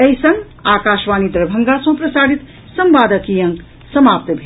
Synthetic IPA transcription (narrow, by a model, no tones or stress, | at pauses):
ɐjsɐŋɡ | aːkaːʃʋaːnid̪ɾɐbʱɐŋɡasɐ̃ɦpɾɐsaːɽit̪ | sɐmʋaːd̪ɐkijɐ̃ŋ | sɐmaːp̚t̪bʱe